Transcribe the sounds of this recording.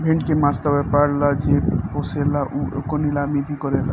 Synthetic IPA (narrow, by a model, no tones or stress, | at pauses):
bʱẽɳɖkemast̪abepaɽlad͡ʒepɔselaʔuekɔnilamibʱikɔɾela